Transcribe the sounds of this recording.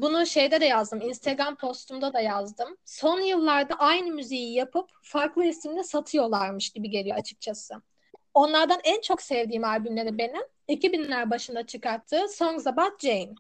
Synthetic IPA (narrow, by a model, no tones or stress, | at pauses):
bunuʃe̞jd̪ɛd̪ɛjazd̪ɯminst̪ʰaɡɾampʰo̞st̪ʰumd̪ad̪ajazd̪ɯmso̞njɯlˠːaɾd̪aʔajnɯmyzijijapʰɯpfaɾklˠɯisimd̪ɛsat̪ʰɯjo̞lˠaɾmɯʃɟibiɟe̞lʲijo̞at͡ʃʰɯ̥k̚t͡ʃʰasɯ | o̞nlˠaɾd̪anænt͡ʃʰo̞ksɛvd̪iːmalʲbymlʲe̞ɾibeni | icibinlʲæɾbaʃɯnd̪at͡ʃʰɯkaɾt̪ʰːɯːso̞nzabat̪̚d͡ʒejn